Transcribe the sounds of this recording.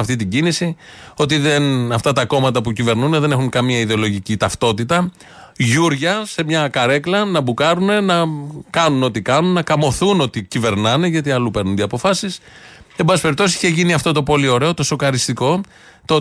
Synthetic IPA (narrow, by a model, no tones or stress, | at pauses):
ɐft̪it̪iɟinisio̞t̪iðe̞nɐft̪ɐt̪ɐko̞mɐt̪ɐpucive̞ɾnuneðe̞ne̞xuŋkɐmiɐiðeo̞lo̞ʝicit̪ɐft̪o̞t̪it̪ɐ | ʝuɾʝɐse̞mɲɐkɐɾe̞klɐnɐbukɐɾune̞nɐkɐnuno̞t̪ikɐnunːɐkɐmo̞θuno̞t̪icive̞ɾnɐne̞ʝɐt̪iɐlupe̞ɾnund̪iɐpofɐsise̞mbɐspe̞ɾip̚t̪osisiçe̞ʝiniɐft̪o̞t̪̬o̞po̞lio̞ɾe̞o̞t̪o̞so̞klɐɾist̪iko̞ | t̪o